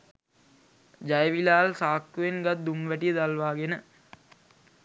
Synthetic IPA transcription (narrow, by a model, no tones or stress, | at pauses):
d͡ʒajəʋilaːlsaːkːuʋenɡat̪̚d̪umʋæʈijəd̪alʋaːɡenə